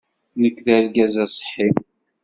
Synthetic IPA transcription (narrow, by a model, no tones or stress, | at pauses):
nəkːðælɡæzæsˤħːim